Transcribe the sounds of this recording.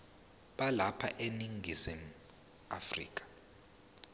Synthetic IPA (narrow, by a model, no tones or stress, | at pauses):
ɓalapʰa̰ʔeniŋɡʱizim̩ | a̰frḭːkʼḁ